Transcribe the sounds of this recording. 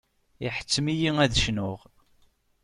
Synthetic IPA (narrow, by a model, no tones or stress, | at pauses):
iħə̥t͡sːmijiŋæðʃnʊʁ